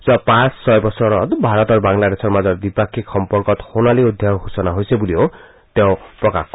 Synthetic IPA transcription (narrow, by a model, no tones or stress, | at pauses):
sapãsʰːɔjbɔsɔɾɔt̪bʱaɾɔt̪ɔɾbaŋlad̪esʰɔɾmad͡ʒɔɾd̪ipakʰikʰɔmpɔɾkɔt̪ɔ̥honaliud̪ʱjaɦusɔnaɦojsebulio | t̪eõpɾɔkak